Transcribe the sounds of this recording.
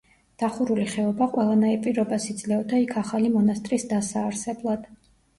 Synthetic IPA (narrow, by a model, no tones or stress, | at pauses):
d̪̥aχuɾuliχɛɔbaqʼwɛlˠanaipʼiɾɔbasid̪zlɛɔd̪aikʰaχalimɔnast̪ʼɾisd̪asaːɾsɛblˠad̪̥